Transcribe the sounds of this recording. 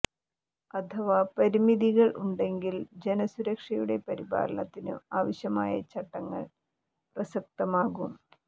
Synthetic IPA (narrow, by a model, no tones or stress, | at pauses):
ɐt̪ʰɐʋapɐɾimiðiɣɐɭʔuɳɖe̞ŋɡild͡ʑenɐsuɾɐkʂɐjuɽe̞pɐɾiba̰ːɾɐɳɐt̪ːinɨ̰aːʋɐɕjɐma̰ːjɐ̰t͡ɕɐʈːɐŋːɐ̰ɭ | prɐsɐk̚t̪ɐmaːɣum